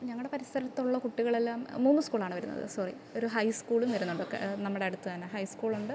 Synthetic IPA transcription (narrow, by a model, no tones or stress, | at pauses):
ɲɐŋːɐɭɨɽe̞pɐɾisɐɾɐt̪ːuɭːɐkuʈːiɣɐɭe̞lːaːmmuːnːuskuːɭaːɳɨʋɐɾunːɐ̰ðɨ̰sɐrḭ | o̞ɾuɦɐjskuːɭumʋɐɾunːuɳɖɨokːḛnɐmːɐɽeɐɽut̪ːɨðɐnɐɦɐjskuːɭuɳɖɨ